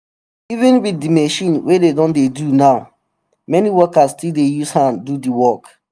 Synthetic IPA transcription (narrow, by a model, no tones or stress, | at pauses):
ivɛ̃nwiθdimeʃĩnwededɔ̃ndedunaʊ | mɛniwɔkastildejushãndudiwɔk